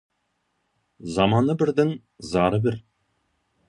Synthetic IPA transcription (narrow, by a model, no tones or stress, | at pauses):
zɑmɑnɤbɘ̆ɾd̪ɘŋ | zɑɾɤbɘɾ